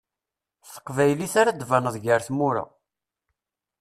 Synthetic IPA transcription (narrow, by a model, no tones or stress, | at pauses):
θə̥qvæjliθaɾad̪vanəðˤʝəɾθmʊɾa̰